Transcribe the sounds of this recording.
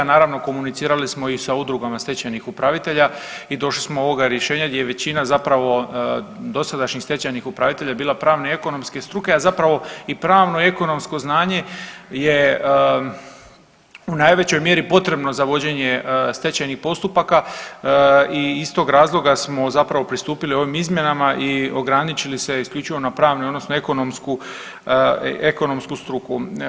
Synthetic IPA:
naːɾaʋno̞ko̞munit̪siːɾalismo̞isaud̪ɾuɡamast̪e̞t͡ɕajnixupɾaʋit̪e̞ʎaid̪o̞ʃli̥smooʋo̞ɡaɾjeʃe̞ːɲaɡd̪ʲjejeʋe̞t͡ɕinazapɾaʋo̞ | d̪o̞sad̪aʃɲixst̪e̞t͡ɕajnixupɾaʋit̪e̞ʎabiːlˠapɾaːʋnee̞ko̞no̞mske̞st̪ɾuke̞azapɾaʋo̞ipɾaːʋno̞ie̞ko̞no̞msko̞znaːɲe̞je | unajʋe̞t͡ɕo̞jmje̞ɾipo̞t̪ɾe̞bno̞zaʋo̞d͡ʑe̞ɲe̞st̪e̞t͡ɕajnixpo̞st̪upaka | iist̪o̞ːɡɾaːzlˠo̞ɡasmo̞zapɾaʋo̞pɾist̪uːpilio̞ʋimizmʲje̞namaʔio̞ɡɾanit͡ɕilise̞iskʎʲuːt͡ʃiʋo̞napɾaːʋnujo̞d̪no̞snoe̞ko̞no̞msku | eko̞no̞mskust̪ɾuku

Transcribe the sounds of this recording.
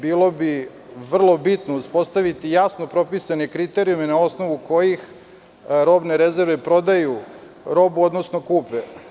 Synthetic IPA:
biːlo̞bi | ʋr̩lˠo̞bit̪no̞uspo̞st̪aʋit̪ijasno̞pɾo̞pisanekɾit̪e̞ɾiumenao̞sno̞ʋuko̞jix | ɾo̞bneɾeze̞ɾʋepɾo̞d̪aju | ɾo̞buo̞d̪nosno̞kuːpe

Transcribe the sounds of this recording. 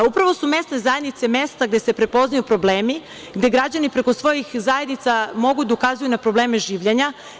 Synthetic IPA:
upɾaʋo̞sume̞st̪nezajed̪nit̪semeːst̪aɡd̪e̞se̞pɾepo̞znajupɾo̞bleːmi | ɡd̪e̞ɡɾad͡ʑanipɾe̞ko̞sʋo̞jixzaje̞d̪nit̪samo̞ɡud̪aukazujunapɾo̞bleːmeʒiːʋʎeɲa

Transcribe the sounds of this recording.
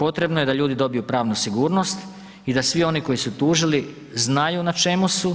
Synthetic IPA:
po̞t̪ɾe̞bno̞je̞d̪aʎuːd̪id̪o̞bijupɾaːʋnusiɡuːɾno̞st̪ | id̪asʋio̞niko̞jisut̪uːʒili | znajunat͡ʃe̞musu

